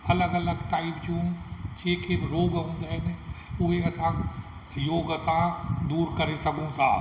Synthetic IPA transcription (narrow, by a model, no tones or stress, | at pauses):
ɐləɡɐləɡʈaːɪpt͡ʃũmt͡ʃeːkʰebɪɾoːɡɦʊ̃ːnd̪aɦɪnɪʊɦeɐsã | joːɡɐsãd̪uːɾkɐɾesɐɡʱũt̪ʰaː